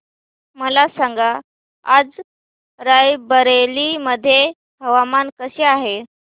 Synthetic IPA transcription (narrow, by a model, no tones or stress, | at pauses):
məlasãŋɡa | ad͡z | ɾajbəɾeliməd̪ʱːje | ɦəʋamankəɕeaɦe